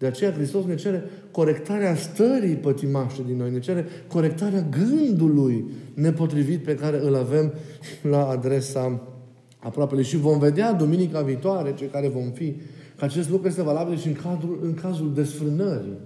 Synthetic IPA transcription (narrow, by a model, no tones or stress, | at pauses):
d̪̥e̞at͡ʃe̞jakɾist̪o̞sne̞t͡ʃe̞ɾe̞ | ko̞ɾe̞kt̪aɾeast̪əɾipət̪imaʃt̪ed̪inːo̞jne̞t͡ʃe̞ɾe̞ko̞ɾe̞k̚t̪aɾeaɡɨnd̪ulujne̞po̞t̪ɾivit̪̚pe̞kaɾe̞ɨlave̞m | laːd̪ɾe̞sa | apɾoape̞lujʃivo̞mve̞d̪ead̪uminikaviːt̪oaɾe̞t͡ʃekaɾe̞vo̞mfikəat͡ʃe̞s̬t̪lukɾuje̞st̪e̞valabilʃiɨŋkad̪ɾulɨŋkazuld̪e̞sfɾɨnəɾḭ